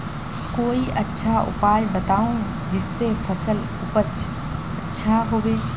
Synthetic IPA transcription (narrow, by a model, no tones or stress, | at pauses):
koːiʔɐtːʃʰaʊ̰paːjbɐt̪aːũ | d͡ʑɪsːefɐsəl | ʊpət͡ʃʰ | ɐtːʃʰaɦoːʋeː